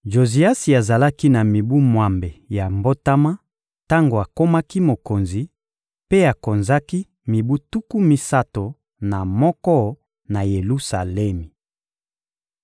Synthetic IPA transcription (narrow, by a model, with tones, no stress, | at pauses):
ʒo˨zi˨a˦si˨a˨za˨la˦ki˦na˨mi˨bu˦mwa˨mbe˨ja˨mbo˦ta˦ma˦ | ta˦ŋɡo˨a˨ko˦ma˦ki˦mo˨ko˨nzi˨ | pe˦a˨ko˨nza˦ki˦ | mi˨bu˦tu˦ku˦mi˦sa˦to˨ | na˨mɔ˦kɔ˦ | na˨je˨lu˦sa˨lɛ˦mi˨